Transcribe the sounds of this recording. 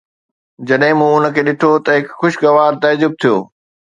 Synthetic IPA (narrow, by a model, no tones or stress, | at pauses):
d͡ʑɐɗɦɪ̃mũːʊnə̆kʰeːɗɪʈʰot̪ɐɦɪkxʊʃɡɐʋaːɾt̪ɐd͡ʑʊb̚t̪ʰijo̰ː